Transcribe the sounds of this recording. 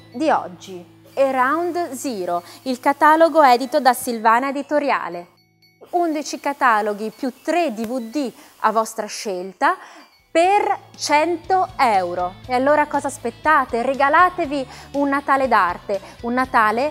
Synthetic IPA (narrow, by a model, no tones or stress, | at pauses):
d̪iɔ̰d͡ʒːi | erawnd̪ziːɾoilkat̪aːloɡoɛːd̪it̪od̪asilvaːnaed̪it̪oɾja̰ːle | und̪it͡ʃikat̪aːloɡipjut̪ːɾed̪ivud̪i | a̰vɔst̪ɾaʃelt̪a | pert͡ʃɛnt̪oɛwɾoealːoːɾakɔːzaːspet̪ːaːt̪ereɡalaːt̪eviunːat̪aːled̪art̪e | unːat̪aːle